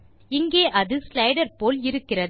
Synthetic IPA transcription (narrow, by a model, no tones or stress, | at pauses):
ɪŋɡeːʔɐðɯslɐɪɽɐɾpoːlɪɾɯkːɪrɐð